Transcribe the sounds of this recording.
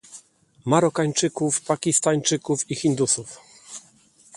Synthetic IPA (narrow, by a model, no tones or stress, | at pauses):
maɾɔkaɲt͡ʂɘkufpakʲist̪aɲt͡ʂɘkufixʲind̪usuf